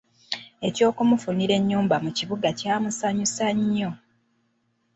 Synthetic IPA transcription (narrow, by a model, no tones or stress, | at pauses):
e̞co̞ːkumufuniɾe̞ɲːuːmbamuciβuɡacaːmusaɲusaɲːo